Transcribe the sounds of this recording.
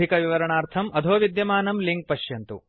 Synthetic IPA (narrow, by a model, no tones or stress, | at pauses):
ikɐʋiʋɐɾɐɳaːɾt̪ʰɐmɐd̪ʱoːʋid̪jɐmaːnɐmliŋɡ̚pɐʃjɐnt̪ṵ